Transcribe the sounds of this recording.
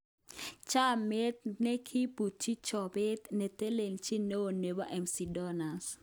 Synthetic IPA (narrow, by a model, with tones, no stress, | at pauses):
t͡ʃa˦me˦t̪̚nɛ˦kʰi˦pu˨t͡ʃːi˦t͡ʃɔ˨bɪ˦t̪nɛ˨t̪e˦le˨ŋt͡ʃi˦ne˦o˨ne˨ba˦ʔɛ˨msi˨dɔ˦na˨s